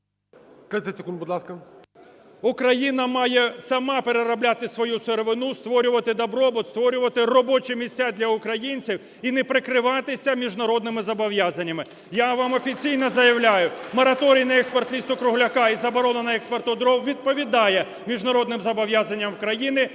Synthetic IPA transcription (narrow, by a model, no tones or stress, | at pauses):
kt̪ʲɛsʲɪkunbʊd̪lˠɑskɐ | ʊkɾɐjinɐmɑjɛsɐmɑpeɾeɾɐblʲat̪ɪsʋɔjuseɾeʋɪnust̪ʋɔɾʲʊʋɐt̪ɪd̪ɐbɾɔbɔt̪st̪ʋɔɾʲʊʋɐt̪ɪrɔbɔt͡ʃɛmʲisʲt͡sʲad̪lʲɐʊkɾɐjinʲt͡sʲiw | inɛpɾɪkɾɪʋɑt̪ɪsʲɐmʲiʒnɐɾɔd̪̚nɪmɪzɐbɔʋjazɐnʲːɐmɪ | jaʋɑmɔfʲit͡sʲijnɔzɐjɐwlʲajʊmɔɾɐt̪ɔɾʲijnɐɛkspɔrt̪lʲist̪ɔkɾʊɦlʲɐkɑizɐbɔɾɔnɐnɐɛkspɔrt̪ɔd̪ɾɔwʋʲid̪̚pɔʋʲid̪ɑjɛ | mʲiʒnɐɾɔd̪nɪmzɐbɔʋjazɐnʲːɐmkɾɐjinɪ